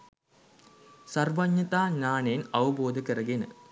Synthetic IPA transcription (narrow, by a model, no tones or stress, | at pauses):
sɐrʋɐɲːɐt̪aːɲaːɳenɐʋɐboːd̪ʱɨkːɐrɐɡinɨ